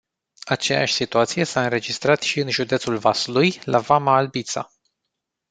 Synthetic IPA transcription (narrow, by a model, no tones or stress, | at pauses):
at͡ʃe̞ja̰ʃʲsit̪uat̪sije̞saɨnɾe̞d͡ʒist̪ɾat̪ʃiɨnʒud̪et̪sulvasulujlʔavamaːlbit̪sa̰